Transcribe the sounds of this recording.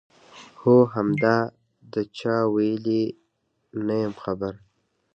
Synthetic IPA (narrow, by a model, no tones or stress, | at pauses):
hoɦamd̪ɑ | d̪ət͡ʃɑwajəli | najəmxabaɾ